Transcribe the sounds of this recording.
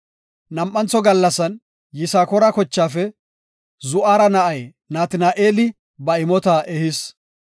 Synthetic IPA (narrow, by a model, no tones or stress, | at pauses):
nɐmʔʼːɐnt͡sɔɡɐlːɐsɐn | jɪsaːkɔɾɐkɔt͡ʃːaːfɛ | zʊʔaːɾɐnɐʔɐj | naːt̪ɪnaːʔeːlɪ | bɐɪmɔt̪aʔɛhɪs